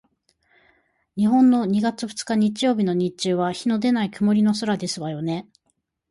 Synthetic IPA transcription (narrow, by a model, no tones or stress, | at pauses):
ɲ̟iɦõ̞nːo̞ɲ̟iɡat͡sɨɸɯ̥t͡sɨ̥kaɲ̟it͡ɕijo̞ːbʲino̞ɲ̟it͡ɕɨːβaçino̞d̪e̞naikɯ̟mo̞ɾʲino̞s̬oɾad̪e̞sɨβajo̞ne̞